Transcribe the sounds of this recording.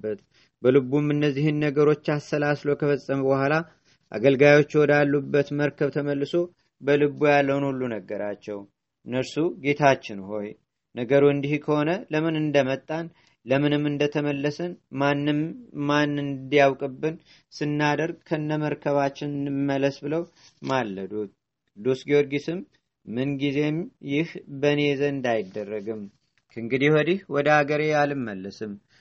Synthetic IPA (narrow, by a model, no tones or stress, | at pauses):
bət̪ | bəlɨbumɨnːəzːihɨnːəɡəɾo̞t͡ʃːasːəlaslokʰəfəsʼːəməbəhʷala | ʔa̰ɡəlɡajo̞t͡ʃːwɔd̪alːubːət̪məɾkʰəβt̪ʰəməlːɨso̞ | bəlɨbujalːəwnulːunəɡːəɾat͡ʃːɛw | ɨnːəɾsuɡe̞t̪ʰat͡ʃːɪnuho̞j | nəɡəɾuɨnd̪ihkʰəho̞nələmɨnɨnd̪əmət̪ʼːan | ləmɨnɨmːɨnd̪ət̪ʰəməlːəsənmanːɨmːanːɨnd̪ijawkʼɨbːɨn | sɨnːad̪əɾɡ̚kʰənːəməɾkʰəβat͡ʃːɪnnɨmːələsbɨləw | malːəd̪ut̪̚ | kʼɨd̪ːusɡeoɾɡisɨmː | ɨnɡize̞mjɪhbəne̞zəɨnd̪ajɪd̪ːərːəɡɨm | kʰɨŋɡɨd̪ihɔd̪ihwɔd̪əaɡəɾe̞jalɨmːəlːəsɨm